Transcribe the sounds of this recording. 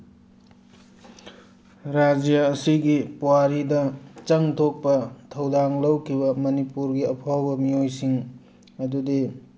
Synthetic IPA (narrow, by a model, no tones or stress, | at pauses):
ɾad͡ʒijɐːsiɡipuwaɾidɐt͡ʃɐŋt̪ʰok̚pɐtʰɐwdaŋlɐwkʰibɐmɐnipuɾɡiɐpʰawbɐmiojsiŋ | ɐdudi